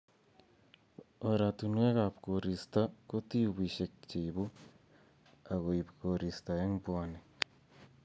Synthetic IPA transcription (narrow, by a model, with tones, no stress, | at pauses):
o˨ɾa˨tunwe˦ɣaβkoɾi˨sta˦ko˦ti˦βi˨ʃe˨kt͡ʃe˨iβu˦ | a˨ɣo˨iβkoɾi˨sta˨e˦mbwa˦ne